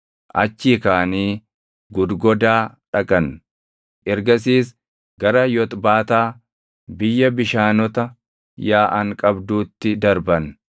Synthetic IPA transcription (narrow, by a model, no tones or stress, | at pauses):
ʔɐ̰t͡ʃːiːkaːniː | ɡʊd̪ɡɔd̪aːᶑɐkʼɐn | ʔɛɾɡɐs̬iːs | ɡɐɾɐjɔt̪ʼbaːt̪aː | bɪjːɐbɪʃaːnɔt̪ɐ | jaːʔɐŋkʼɐbd̪uːt̪ːɪd̪ɐɾbɐn